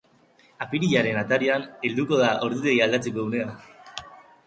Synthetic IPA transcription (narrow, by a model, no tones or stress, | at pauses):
apiɾiʎaɾe̞nat̪aɾiane̞ld̪uko̞ð̞aʔo̞ɾðuðeɣiald̪at͡sikoðune̞a